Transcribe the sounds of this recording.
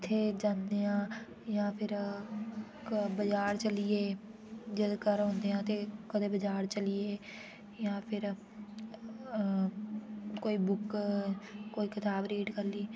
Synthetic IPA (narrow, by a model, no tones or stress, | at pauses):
ɪt̪ʰːeːd͡ʒãːnd̪eːãː | jãːpʰɪɾ | kbəd͡ʒaːɾt͡ʃəlieː | d͡ʒɪd̪kəɾɦõːnd̪eːãːt̪eːkəd̪eːbəd͡ʒaːɾt͡ʃəlieː | jãːpʰɪɾ | koːiːbʊk | koːiːkɪt̪aːbɾeːʈkəɾliː